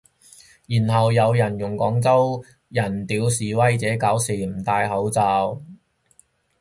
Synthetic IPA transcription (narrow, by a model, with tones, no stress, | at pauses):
jiː˨˩nhɐ˨wjɐ˨˧wjɐ˨˩njʊ˨˩ŋkɔː˨˥ŋt͡sɐ˥w | jɐ˨˩nt̪iː˨˥wsiː˨˥wɐ˥jt͡sɛː˨˥kaː˨˥wsiː˨˩m̩˨˩t̪aː˧jɦɐ˨˥wt͡saː˧w